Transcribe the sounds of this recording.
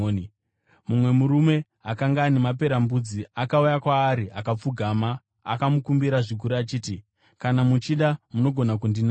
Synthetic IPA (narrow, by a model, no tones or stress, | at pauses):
mumwe̞muɾume̞ | akaŋɡaːnemap̬e̞ɾambud͡ziakaujakwaːɾiʔakap͡fuɡʱama̰ː | kamukumbiɾaʐik̬uɾuat͡ʃiːti | kanamut͡ʃiɗamuno̞ɡʱo̞nak̬undina